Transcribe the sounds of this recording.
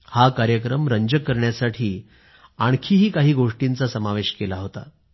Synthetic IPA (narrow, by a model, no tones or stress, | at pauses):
hakaɾjəkɾəmɾəɲd͡ʑəkːəɾɳjasaʈʰiː | aɳkʰiːɦiːkaɦiːɡoʂʈint͡sasəmaʋeɕkelaɦot̪a̰